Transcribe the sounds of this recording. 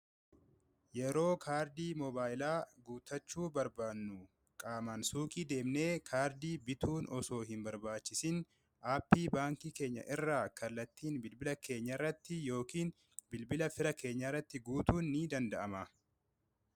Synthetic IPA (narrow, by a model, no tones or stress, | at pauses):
jɛɾo̞ːkʰaːɾd̪iːmɔbaːɪlaːɡuːt̪ːɐt͡ʃːuːbɐɾbaːnːʊ | kʼaːmɐnsuːkʼiːd̪e̞ːmne̞ːkʰaːɾd̪iːbɪt̪ʰuːnɔso̞ːɦɪnbɐɾbaːt͡ʃːɪsɪn | ʔaːpːiːbaːŋkiːke̞ːɲːɐ̰ʔɪrːaːkɐlːɐt̪ːiːnbɪlbɪlɐkʰe̞ːɲːɐɪrːɐt̪ːɪjo̞ːkiːn | bɪlbɪlɐfɪɾɐkʰe̞ːɲːɐɪrːɐt̪ːɪɡuːt̪uːnːiːd̪ɐnd̪ɐʔɐmɐ